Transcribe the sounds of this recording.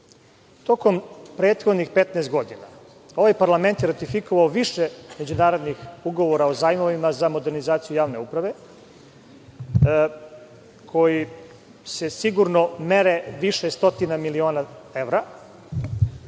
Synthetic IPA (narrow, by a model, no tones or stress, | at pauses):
t̪o̞ko̞mpɾeːt̪xod̪nixpet̪nɛːst̪̚ɡo̞d̪ina̰ | o̞ʋajpaɾlame̞nt̪jeɾat̪ifikoʋaoʋiʃeme̞d͡ʑunaːɾo̞d̪nixuɡo̞ʋoɾaozaːjmoʋimazamo̞d̪eɾnizaːt̪sijujaːʋne̞upɾaʋe̞ | kʰo̞ji | sesiɡuɾno̞meɾeʋiʃest̪o̞t̪inamilio̞ːnaevɾa